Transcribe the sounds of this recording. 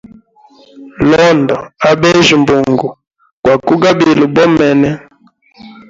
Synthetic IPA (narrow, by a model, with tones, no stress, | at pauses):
lɔ˦ndɔ˨a˦bɛ˦ʒi˨mbu˨ŋɡu˨ | kwa˨ku˦ɡa˦bi˨lu˨bɔ˦mɛ˨nɛ˦